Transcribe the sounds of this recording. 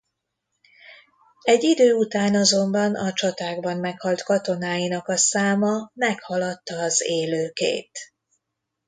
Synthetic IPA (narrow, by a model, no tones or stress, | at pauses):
ɛɟːid̪øːut̪aːnɒzo̞mbɒnɒt͡ʃɒt̪aːɡbɒmmɛkhɒlt̪kɒt̪o̞naːjinɒkɒsaːmɒmɛkhɒlɒt̪ːɒːzeːløːkḛːt̪